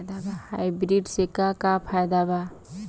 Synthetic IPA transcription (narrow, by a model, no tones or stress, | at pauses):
d̪abahajbɾiɖsekakapʰajd̪aba